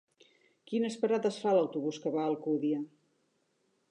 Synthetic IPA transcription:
kinəspəɾaðəsfaləwt̪uβuskəβaːlˠkuðiə

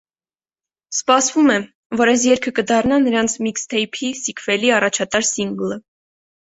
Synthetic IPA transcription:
spɑsvumɛ | vɔɾɛs̬jɛɾkʰəkəd̪ɑrnɑnəɾɑnt͡sʰmikst̪ʰɛjpʰisikʰvɛliɑrɑt͡ʃʰɑt̪ɑɾsiŋɡlə

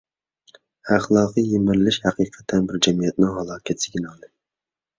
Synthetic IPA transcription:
æχlˠɑːqɨjemɪɾlːɪʃhæqʰiːqʰɛ̥t̪ʰːɛnbɪɾd͡ʒɛmijɛt̪̚nɪŋɦɑlˠɑːkʲʰɛt̪sɪɡʲɪnɑlˠd̪ɨ

